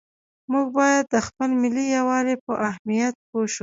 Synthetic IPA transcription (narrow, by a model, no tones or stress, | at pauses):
muɡ̚bɑjad̪ːəxpəlmɪlijawɑɾepəʔahmijat̪̚poʃu